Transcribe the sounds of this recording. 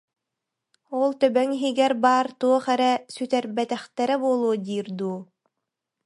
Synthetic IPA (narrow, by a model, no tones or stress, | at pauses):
ɔlˠt̪œbœŋiɦiɡɛɾbaːɾt̪uɔχɛɾɛsyt̪ɛɾbɛt̪ɛχt̪ɛɾɛbuɔlˠuɔd̪iːɾd̪uː